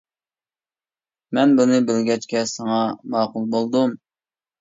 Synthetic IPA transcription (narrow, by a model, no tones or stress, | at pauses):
mɛnbunɨbɪlɡʲɛt͡ʃkʲɛsɑŋɑmɑːqʊlˠbolˠd̪um